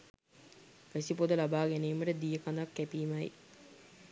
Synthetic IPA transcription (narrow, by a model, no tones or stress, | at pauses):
ʋæsipod̪əlabaːɡæneːməʈəd̪ijəkand̪akːæpiːmɐj